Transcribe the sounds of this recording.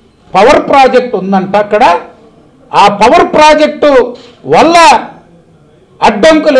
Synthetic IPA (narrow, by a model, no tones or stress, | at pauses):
pɐʋɐɾpɾaːd͡ʒek̚ʈund̪ɐɳʈɐɐkːɐɽɐ | aːpɐʋɐɾpɾaːd͡ʒe̞k̚ʈu | ʋɐlːɐ | ɐɖbɐŋkul